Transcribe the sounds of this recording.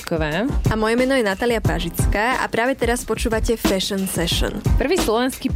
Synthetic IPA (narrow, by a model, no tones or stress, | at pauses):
kɔʋaːʔamɔjɛmɛnɔjɛnat̪aːlɪapa̰ʒit͡skaːʔa̰pɾaːʋɛt̪ɛɾaspɔt͡ʃuːʋacɛfɛʃɔnsɛʃɔ̰npr̩ʋiːslɔʋɛnskiː